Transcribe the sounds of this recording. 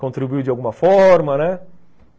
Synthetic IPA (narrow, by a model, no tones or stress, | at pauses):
kõnt̪ɾibuiuwd͡ʒɪawɡũmɐfɔɾmɐnɛ